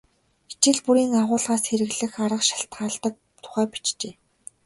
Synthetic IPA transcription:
i̥t͡ɕɪ̆ɮpuɾiːŋaʁʊːɮʁaːsxeɾɘ̆ɣɮɘ̆xaɾə̆qʃḁɬt̪ɢaːɮt̪ə̆k̚ | t̪ʰʊ̥χæːpi̥t͡ɕt͡ɕeː

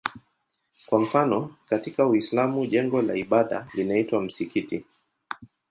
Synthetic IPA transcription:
kwam̩fanɔkatikawislamuʄɛŋɡɔla̰iɓaɗa̰linaitwam̩sikiti

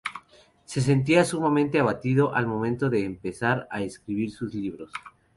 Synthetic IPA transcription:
se̞s̬e̞nt̪̬iasumamẽnt̪e̞aβ̞at̪iðo̞ʔalmo̞mẽ̞nt̪o̞ðe̞ːmpe̞saɾaeskɾiβiɾsuzliβɾo̞s

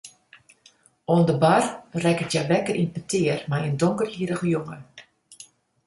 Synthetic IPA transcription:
oəndəbarrɛkətjaʋɛkərinpətʰɪərmajəndoŋkərhiːɾəɣəjoŋə

